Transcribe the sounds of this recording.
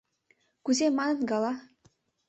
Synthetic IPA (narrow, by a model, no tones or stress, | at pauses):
kuzemɑnɤ̆nɡɑlˠɑ